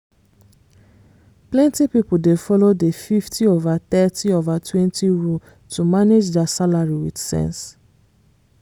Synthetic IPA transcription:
plɛ̃ntipipudefɔlodefiftʰiovat̪ɛtiovatʰwɛ̃ntiɹu | tʰumaned͡ʒdasalaɹiwidsɛ̰̃ns

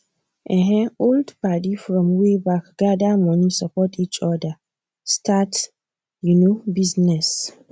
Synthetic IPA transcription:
ʔɛ̃ɦɛ̃oldpadifɹɔ̃mwebakɡ̥adamʌ̃nisapɔtʰit͡ʃɔdə | stʰat | junobiznɛs

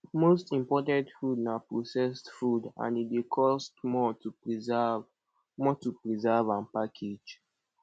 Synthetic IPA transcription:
mostĩmpɔtãntfudnapɹosɛstfudã̰nitdekʰɔstmɔtuzv | mɔtupɹizavãnpakʰed͡ʒ

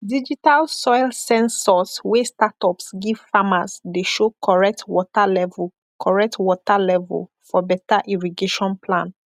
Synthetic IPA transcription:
did͡ʒitalsɔɪlsɛ̃nsɔswestatɔpsɡiv̥famasdeʃokʰɔɹɛk̚tʰwɔtalɛvl | kʰɔɹɛk̚twɔtalɛvɛ̰l | fɔbɛtaʔiɹiɡeʃɔ̃npʰlã̰n

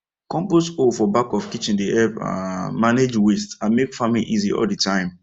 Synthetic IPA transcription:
kɔ̃mposofɔbakɔfkit͡ʃĩndiʔɛa̰maned͡ʒwestãnmekfamĩnʔiziɔ̰ldətʰãɪ̃m

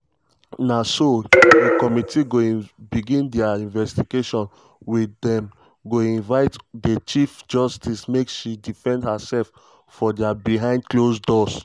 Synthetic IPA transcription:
nasodekɔmitiɡoĩbiɡĩndɛaĩnvɛstiɡeʃɔ̃n | wiθɛ̃m | ɡoĩnvaɪtdet͡ʃifd͡ʒɔstismekʃidifɛ̃ndhasɛlf | fɔdɛabiɦãɪ̃ndklosdɔs

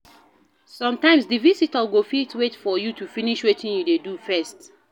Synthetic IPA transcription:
sɔ̃mtãɪ̃msdivisitəɡofitʰwetfɔjutufiniʃwetʰĩnjudedufɛst

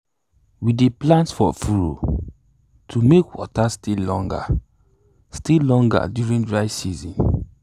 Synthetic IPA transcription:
wideplãntfɔfuɹo̰ | tʰumekwɔ̰tastilːɔ̃ŋɡa̰ | stilːɔ̃ŋɡa̰djuɹĩndɹaɪsizḭ̃n

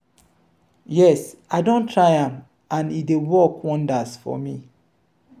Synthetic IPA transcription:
jɛs | aɪdõntʰɹaɪãm | ãnidewɔkʰwɔ̃ndasfɔ̰mi

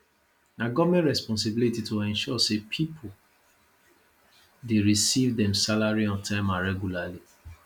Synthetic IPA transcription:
naɡɔvmɛ̃ntɹɛspɔ̃ns̬ibilititoɛ̃nʃɔsepʰipʰo | deɹisivdɛ̃msalaɹiɔ̃ntʰãɪ̃maɹɛɡjulali

